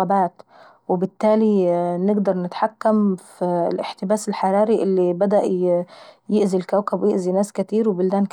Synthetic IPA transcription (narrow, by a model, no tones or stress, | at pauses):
abaːt̪ | wɪbɪt̪ːæːlinɪɡd̪ɑɾˤnɪt̪ħakːamfilʔɪħt̪ɪbaːsɪlħɑɾˤɑːɾiʔɪlːibæd̪æʔ | jɪʔzilkawkabwɪjɪʔzinaːskɪt̪iːɾwɪbɪld̪æːnk